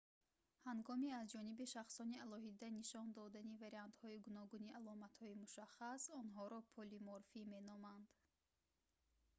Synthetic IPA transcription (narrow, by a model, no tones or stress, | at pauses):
haŋɡɔmiazd͡ʒɔnibiʃaχsɔnialɔɦid̪aniʃɔnd̪ɔd̪anivaɾiant̪hɔiɡunɔɡuniʔalɔmat̪hɔimuʃaχasɔnɦɔɾɔpʰɔlimɔɾfime̞nɔmand̪̥